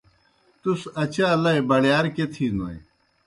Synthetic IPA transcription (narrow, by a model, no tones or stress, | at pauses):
t̪usɐt͡ɕaːlɐebɐɽjaːɾket̪ʰiːnoḭ